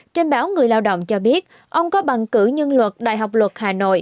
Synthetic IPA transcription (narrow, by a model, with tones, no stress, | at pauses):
t͡ɕe˧nɓaː˨˦wŋɨ˨˩əjlaː˧wɗo̰˧˨wŋ͡mt͡ɕɔ˧ɓi˦˥ət̚ | ʔə˧wŋ͡mkɔ˨˦ɓa˨˩ŋkɨ˧˩ɲə˧nlwə˨˩t̚ɗa̰ː˧˨jɦa˨˩wk͡p̚lwə˨˩t̚haː˨˩no̰˧˨j